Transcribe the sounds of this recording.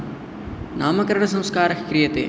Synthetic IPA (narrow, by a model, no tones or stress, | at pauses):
naːmɐkɐɾɐɳɐs̬ɐ̃wskaːɾɐkɾijɐt̪ḛː